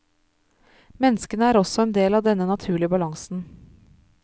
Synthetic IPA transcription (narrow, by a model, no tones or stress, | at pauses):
mɛnːəskənəæːɾɔsɔɛːnd̪eːlɑːʋd̪ɛnənɑt̪ʰʉːɭɪəbɑlɑŋsn̩